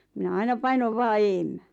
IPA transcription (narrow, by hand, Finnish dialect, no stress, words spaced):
minæ ɑinɑ pɑinoʋ ʋɑː eːmːæ